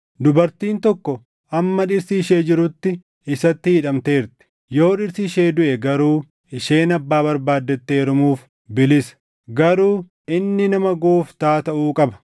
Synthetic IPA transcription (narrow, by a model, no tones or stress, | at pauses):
d̪ʊbɐɾt̪iːnt̪ɔkːɔ | ʔɐmːɐᶑɪɾsiːʃe̞ːd͡ʒɪɾʊt̪ːɪ | ɪsɐt̪ːɪhɪᶑɐmt̪e̞ːɾt̪ɪ̥ | jo̞ːᶑɪɾsiʃe̞ːd̪ʊʔɛɡɐɾuː | ɪʃeːnɐbːaːbɐɾbaːd̪ːɛt̪ːeːɾʊmuːf | bɪlɪsɐ̥ | ɡɐɾuː | ɪnːɪnɐmɐɡoːft̪aːt̪ɐʔuːkʼɐbɐ̥